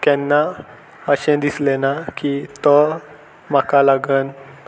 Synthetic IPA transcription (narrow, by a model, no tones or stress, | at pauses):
t̪ɛnːa | əɕɛ̃d̪islenakit̪ɔ | m̤akalaɡən